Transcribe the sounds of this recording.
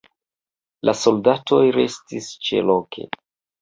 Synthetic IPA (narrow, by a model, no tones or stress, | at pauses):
lʔasoldato̞jɾe̞stist͡ʃḛlokʰe̞̰